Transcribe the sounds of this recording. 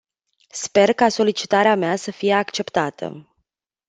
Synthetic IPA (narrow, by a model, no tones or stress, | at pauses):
spe̞rkaso̞lit͡ʃi̥t̪aɾeameasəfije̞akt͡ʃe̞pt̪at̪ʰə̰